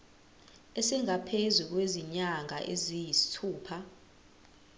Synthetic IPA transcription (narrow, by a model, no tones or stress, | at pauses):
esiŋapʰezuk̬weziɲaŋʱa̰ʔezijisi̥tʰuːpʰa